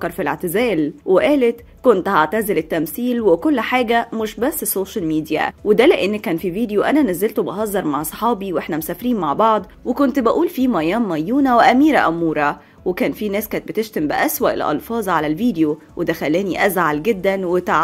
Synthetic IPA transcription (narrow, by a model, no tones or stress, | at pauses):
kːɑɾˤfilḛʕt̪ezæːlweʔæːlet̪ | kont̪haʕt̪æzelet̪ːæmsiːlwekolːħaːɡæmeʃbæsːsoːʃælmiːd̪ijæ̰wed̪æleʔenːækːæːnfiviːd̪ejoʔænænæzːelt̪obɑɦɑzˤːɑɾˤmaʕsˤħɑːbiwʔeħnæmosæːfɾiːnmaʕbɑʕd̪ˤ | wekont̪bæʔuːlfiːmæjæːmːæjːuːnæweʔæmiːɾæ̰ʔæmːuːɾˤɑ | wekæːnfinæːskæːt̪̚bet̪eʃt̪æmbæʔæswæʔelʔɑ̰lfɑːzˤʕalælviːd̪ejo | wʔed̪æxælːæːniʔæzʕalɡed̪ːænwet̪aʕ